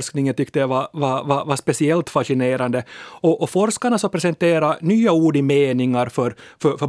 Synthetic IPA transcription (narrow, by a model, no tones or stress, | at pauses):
sknɪŋənt̪ʏkt̪əjavavavavaspɛsɪɛlt̪faʂɪneːɾand̪əɔʔɔfɔɾskaɳasɔpʰɾɛsɛnt̪eːɾanyːauːɖɪmeːnɪŋaɾfœɾfœfœ